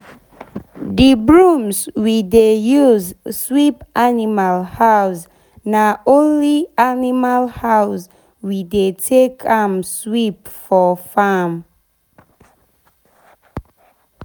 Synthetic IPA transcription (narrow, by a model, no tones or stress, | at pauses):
dibɹumswidejuzswipanimalhaws | naʔõnlianimalhaʊs | widetʰekʰãmswipfɔfam